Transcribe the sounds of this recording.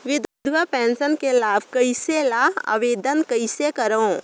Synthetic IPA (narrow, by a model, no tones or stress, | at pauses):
ʋɪd̪ʊd̪ʱʋəpɛ̃ːnsənkelaːbʱkɐiselaɦa̰ːʋeːd̪ənkɐisekɐɾõː